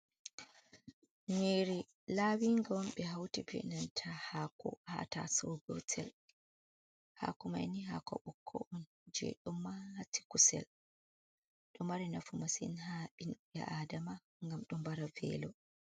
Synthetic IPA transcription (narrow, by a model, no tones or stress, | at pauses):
neɾi | laːwiŋɡɔmɓɛɦawtibɛ̰nantʰahakɔ̰ha̰ta̰sɔɡɔtʰɛl | ha̰ːkɔma̰jniɦa̰kɔ̰ɓɔkʰːɔ̰ʔɔn | d͡ʒɛ̰ɗɔmːahati̥kusɛ̰l | ɗɔmaɾinafumasḭnhaɓinɓɛ̰ʔaːdama | ŋɡamɗɔmbaɾavɛ̰lɔ